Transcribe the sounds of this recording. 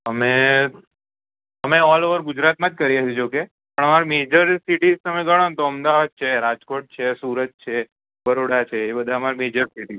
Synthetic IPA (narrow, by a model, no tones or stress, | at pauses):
əme | əmeɔloʋəɾɡʊd͡ʒɾat̪mãd͡ʒkəɾijat͡ʃʰed͡ʒoke | pəɳ̃əmaɾimed͡ʒəɾsiʈizt̪əmeɡaɽant̪oəmd̪aʋad̚t͡ʃʰeɾad͡ʒkoʈ̚t͡ʃʰesuɾət̪̚t͡ʃʰe | bəɾoɽat͡ʃʰeːbəd̪ʱaəmaɾimed͡ʒəɾsiʈi